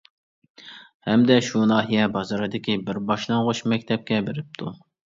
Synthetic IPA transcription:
hɛmd̪ɛʃunɑːɦijɛbɑzɑɾɨd̪ɪkʲibɪɾbɑʃlˠɑŋʁoʃmɛkʲt̪ʰɛp̚kʲɛbeɾɪp̚t̪ʰu

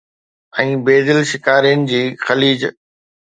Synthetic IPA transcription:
ɛ̃ːbeːd̪ɪlʃɪkaːɾijənɪ̆d͡ʑiːxɐliːd͡ʑ

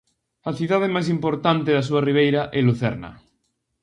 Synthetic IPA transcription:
aθiðaðemajs̬impoɾt̪ant̪eðas̬uariβ̞ejɾaʔɛluθɛ̰ɾna̰

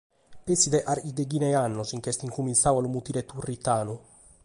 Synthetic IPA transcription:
pesid̪ɛʔaɾid̪eɡinɛanːɔsiŋk̟ɛst̪iŋkuminsawalumut̪iɾɛt̪urːit̪aːnu

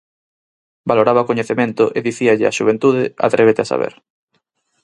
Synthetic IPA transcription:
baloɾaβakoɲeθemẽnt̪ʊʔeðiθiaʎɪa̰ʃuβ̞ent̪uðɪa̰t̪ɾeβ̞et̪easa̰βḛɾ

